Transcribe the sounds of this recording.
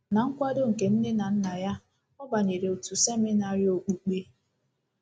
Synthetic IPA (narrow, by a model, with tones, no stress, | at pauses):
na˨ŋ̩˦kʷa˦do˦ŋ̩˨ke˨m̩˦ne˦na˨n̩˦na˨ja˦ | ɔ˦ba˨ɲe˨ɾe˨o˨tu˨se˦mi˦na˨ɾji˨o˨k͡pu˨k͡pe˦